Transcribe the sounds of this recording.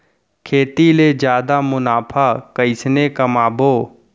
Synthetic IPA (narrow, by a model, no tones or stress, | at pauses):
kʰeːt̪iled͡ʒjaːd̪amʊnaːpʰakəɪsnekɐmaːboː